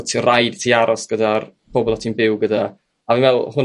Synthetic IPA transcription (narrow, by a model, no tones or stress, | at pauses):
tʰirajd̥tʰiːaɾʔɔsɡ̥ədarpʰɔbɔlˠatʰinbɪwɡəda | avɪnvɛlˠhʊn